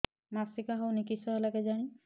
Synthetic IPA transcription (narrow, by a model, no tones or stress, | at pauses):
masikaɦɔwnikisɔɦɛlakɛzaɽ̃i